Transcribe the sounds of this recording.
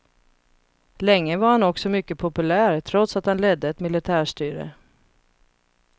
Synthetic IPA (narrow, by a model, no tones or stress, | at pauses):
lɛŋːəvaɾhanɔksɔmʏkːəpʰʊpɵlæːɾt̪ʰɾɔt̪sat̪hanlɛd̪ːəɛt̪mɪlɪt̪ʰæːʂʈyːɾə̰